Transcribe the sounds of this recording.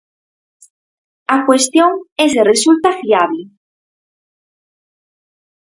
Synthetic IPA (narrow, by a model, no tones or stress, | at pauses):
akwest̪joŋezðeresult̪afiaβlɪ